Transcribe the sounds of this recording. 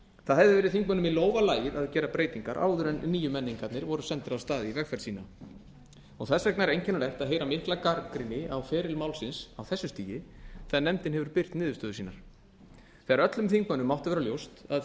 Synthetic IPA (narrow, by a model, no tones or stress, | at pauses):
θaðɦɛvðɪvɛːɾɪθiŋkmœnʏmiloːwvalaːjɪðaðcɛːɾapɾeːjt̪iŋka̰ɾʔa̰ːwðʏɾɛnnːiːjʏmɛnːiŋkat̪nɪɾvɔɾʏsɛnt̪ɪɾawst̪aːðɪivɛkfɛɾ̥siːna | ɔ̰ɣθɛsɛknaɛɾejɲcɛnalɛht̪aðɦejɾamɪhklakaɾkɾɪnɪawfɛːɾɪlmawlsɪnsawθɛsːʏst̪iːjɪθɛnɛmt̪ɪnɦɛvʏɾpɪr̥t̪nɪːðʏst̪œːðʏsiːnaɾ̥ | θɛɣaɾœt̪lʏmθiŋkmœnːʏmːawht̪ʏvɛːɾaljowst̪að